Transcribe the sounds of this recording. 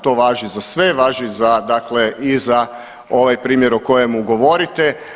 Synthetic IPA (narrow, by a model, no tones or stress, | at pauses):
t̪o̞ːʋaːʒizasʋe̞ʋaːʒizad̪akleʔiza | o̞ʋajpɾiːmjeɾoko̞jemuɡo̞ʋo̞ɾit̪e